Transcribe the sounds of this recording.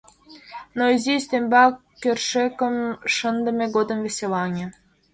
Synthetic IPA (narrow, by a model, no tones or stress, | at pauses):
noizisʲt̪ʲembɑkʲːørʃekə̆mʃənd̪ə̆mʲeɡod̪ə̆mvʲesʲelɑnʲĕ